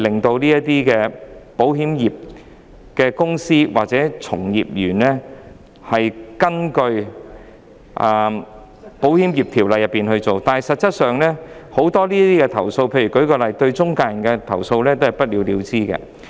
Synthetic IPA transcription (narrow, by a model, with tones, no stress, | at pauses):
lɪ˨˩ŋt̪o˧wliː˥jɐ˥t̪iː˥kɛː˧po˨˥whiː˨˥mjiː˨p̚ | kɛː˧kʊ˥ŋsiː˥wa̰ː˨t̚t͡sɛː˨˥t͡sʰʊ̰˨˩ŋjiː˨p̚jyː˨˩nlɛː˥ | hɐ˨jkɐ˥nkɵ˧ɥ | ʔa˨ | po˨˥whiː˨˥mjiː˨˩p̚t̪ʰiː˨˩wlɐ˨jɐ˨pːiː˨nhɵ˧ɥt͡so˨wt̪aː˨˧nɦɐ˨jsɐ˨t̚t͡sɐ˥t̚sœː˨ŋlɛː˥ho˨˥wt̪ɔː˥liː˥ɐ˥t̪iː˥kɛ˧t̪ʰɐ˨˩wso˧wpʰe˧jyː˨˩kɵ˨˥kɔː˧lɐ˨jt̪ɵ˧ɥt͡sʊ˥ŋkaː˧jɐ˨˩nkɛ˧t̪ʰɐ˨˩wso˧wlɛː˥t̪o˥whɐ˨jpɐ˥t̚liː˨˧wliː˨˧wt͡siː˥kɛ̰ː˧